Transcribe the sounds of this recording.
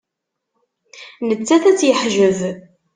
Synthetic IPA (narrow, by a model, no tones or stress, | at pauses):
nət͡sːæθæt͡sːjəħʒəv